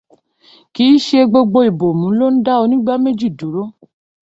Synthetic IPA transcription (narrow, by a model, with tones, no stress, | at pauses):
ki˨˦ʃe˧ɡ͡bo˧ɡ͡bo˧i˨bo˨mũ˨˦lo˦n̩˦da˦o˧nĩ˦ɡ͡ba˦me˦d͡ʒi˦˨du˨˦ɾo˦